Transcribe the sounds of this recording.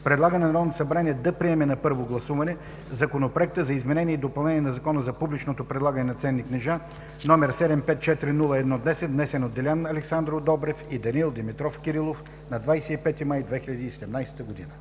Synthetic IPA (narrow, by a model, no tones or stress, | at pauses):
pɾɛd̪lˠaɡənɛnɐɾɔvnosɐbɾaniɛd̪ɐpɾiɛmɛnɐpɤɾvoɡlˠɐsuvɐnɛ | zɐkonopɾoɛk̚t̪əzɐizmɛnɛniɛid̪opɐlˠnɛniɛnɐzɐkɔnəzɐpublit͡ʃnot̪opɾɛd̪lˠaɡənɛnɐt̪sɛnːiknɛʒa | nɔmɛɾsɛd̪ɛmpɛt̪̚t͡ʃɛt̪iɾinulˠəɛd̪nɔd̪nɛsɛt̪̚d̪nɛsɛnod̪ːɛlʲanɐlɛksand̪ɾod̪ɔbɾɛfid̪ɐnilˠd̪ɛmit̪ɾɔfkʲiɾilˠof | nɐd̪vajsɛipɛt̪imajd̪vɛxilʲɐd̪iːsɛd̪ɛmnajsɛ̥t̪əɡod̪ḭnə